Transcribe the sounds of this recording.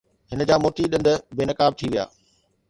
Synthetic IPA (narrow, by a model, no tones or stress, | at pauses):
hɪnəd͡ʑaːmoːʈ̪ʰiɗɪ̃nd̪ʊ̆beːnɐkaːb̚t̪ʰiʋija̰ː